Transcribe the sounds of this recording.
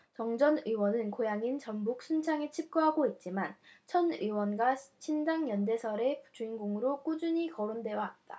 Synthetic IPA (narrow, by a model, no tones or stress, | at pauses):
t͡ɕʌŋd͡ʑʌnɯwʌnɯnkojaŋint͡ɕʌmbuk̚s͈ʰunt͡ɕʰaŋit͡ɕʰip̚k͈uɦaɡoit̚t͡ɕ͈imant͡ɕʰʌnɯwʌnɡwat͡ɕʰindaŋjʌnde̞sʰʌɾe̞pud͡ʑuinɡoŋɯɾok͈ud͡ʑuɲikʌɾondwe̞jʌɦat̚t͈a̰